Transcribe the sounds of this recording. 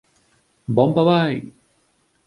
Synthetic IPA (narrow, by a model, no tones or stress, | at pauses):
bɔmpabaj